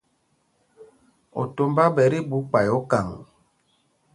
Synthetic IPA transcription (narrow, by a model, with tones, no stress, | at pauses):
o̰˨to˦mba˦bɛ˨˦ɾi˦bu˨˦k͡pa˨jo˦ka˨ŋ